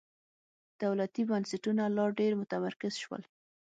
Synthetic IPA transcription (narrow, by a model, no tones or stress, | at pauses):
d̪̥awlat̪ibansɪʈunalɑɖeɾmʊt̪amaɾkɪz̥ʃwə̰l